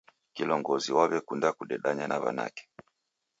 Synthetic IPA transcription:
kilɔŋɡɔziwaβɛkundakuɗɛɗaɲanaβa̰na̰kɛ̥

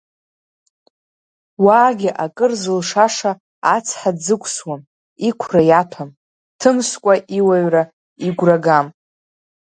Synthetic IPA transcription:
waːɡʲɪʔakʼɨrzɨlʂaʂaː | t͡sʰħad͡zɨkʷʰʼswam | ikʷʰrajatʰam | tʰɨmskʷʼaʔiwaɥra | iɡʷraɡam

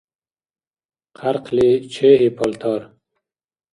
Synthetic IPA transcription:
qʰaɾqʰlet͡ɕʰeːɦipʰɔlt̪ʰɑːɾ

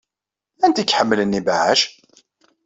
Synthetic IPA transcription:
ænt̪ikːħəmːlənːibaʕə̰ʃ

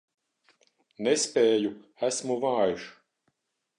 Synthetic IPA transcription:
nespʲeːjuæsmuvaːjuʃ

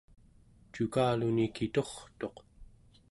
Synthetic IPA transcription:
t͡ʃukaːlunikit̪o̞χt̪o̞q

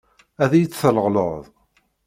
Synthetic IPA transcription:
æðæjət͡sːələʁlə̰ðˤ

